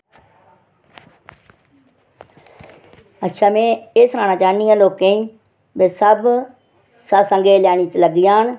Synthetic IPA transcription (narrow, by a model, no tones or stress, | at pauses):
ətːʃʰaːmẽːeːsɾãːnãːt͡ʃaːnijãːloːkẽːĩː | beːsəb | saːsə̃ŋɡeːljaːñiːt͡ʃələɡɪjãːn